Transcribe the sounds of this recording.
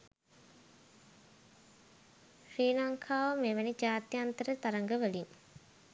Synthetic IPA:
ʃriːlaŋkʰaːʋəmeːʋænid͡ʒaːt̪jant̪əɾət̪aɾəŋɡəʋəlin

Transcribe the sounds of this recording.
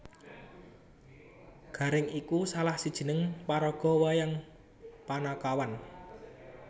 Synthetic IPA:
ɡ̥ä̤ɾɪŋikusalahsid̥ʒ̥ə̤nəŋpaɾɔɡ̥ɔ̤wajaŋ | panakawan

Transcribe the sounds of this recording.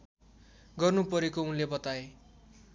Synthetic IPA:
ɡʌrnupʌɾekounlebʌt̪ae

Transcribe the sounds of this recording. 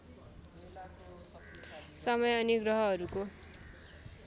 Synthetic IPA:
sʌmʌjʌniɡrʌɦʌːɾuko

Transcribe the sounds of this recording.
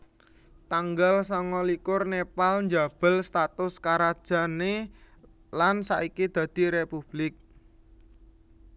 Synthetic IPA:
t̪aŋɡalsɔŋɔlikʊrnepalɲd͡ʒab̥ə̤lst̪at̪ʊskaɾad̥ʒ̥a̤ne | lansaʔikid̪̥ä̤d̪̥i̤ɾepub̥lɪk̚

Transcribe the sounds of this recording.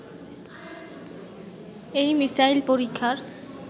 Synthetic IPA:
ejmisajlpoɾikʰːaɾ

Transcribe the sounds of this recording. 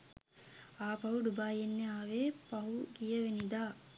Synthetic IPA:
aːpɐɦuɖubaːjenːeaːʋeːpɐɦuɡijəʋenid̪aː

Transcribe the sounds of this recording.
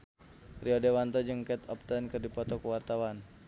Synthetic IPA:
riɔdewant̪ɔd͡ʒɨŋkɛt̪ɔp̚t̪ənkɨrdipɔt̪ɔkuwart̪awan

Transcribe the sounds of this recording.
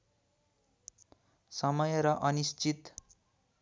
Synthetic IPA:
sʌmʌjʌɾʌʔʌnist͡sit̪

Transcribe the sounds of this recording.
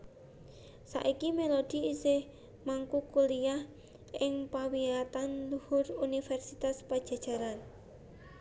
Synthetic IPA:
sa̰ʔikimelod̪̥i̤isɪh | maŋkukuliah | ɪŋpawiat̪anluhʊrunifɛrsit̪aspad̥ʒ̥a̤̥ʒ̥a̤ɾan

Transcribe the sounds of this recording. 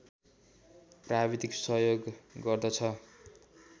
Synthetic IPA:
prabid̪iksʌɦjoɡːʌrd̪ʌt͡sʰʌ

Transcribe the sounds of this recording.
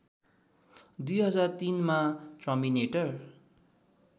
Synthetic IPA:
d̪ujɦʌd͡zart̪inmatrʌmineʈʌr

